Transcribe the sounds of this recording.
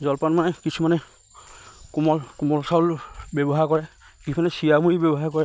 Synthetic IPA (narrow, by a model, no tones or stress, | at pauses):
zɔlpanmanɛkisʰumanɛ | kumɔkumɔlsalbɛbɔɦaɹkɔɹɛ | kisʰumanɛsijamuɹibɛbɔɦaɹkɔɹɛ